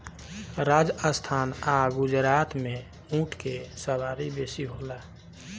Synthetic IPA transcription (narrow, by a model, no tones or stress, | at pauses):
ɾaːd͡ʒəst̪ʰaːnaɡʊd͡ʒɾaːt̪mẽ | ũːʈʰkesəbaːɾibeːsiɦoːlaː